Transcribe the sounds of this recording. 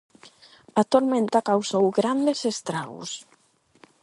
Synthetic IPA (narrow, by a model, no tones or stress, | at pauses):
at̪oɾmẽnt̪akawsowɡɾand̪esest̪ɾaɣʊ̰s